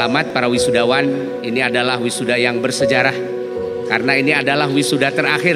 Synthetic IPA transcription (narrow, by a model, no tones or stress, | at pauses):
amat̪̚paɾawisudawan | iniadalahwisudajaŋbərsəd͡ʒaɾah | kaɾənainiadalahwisudat̪əɾaxɪ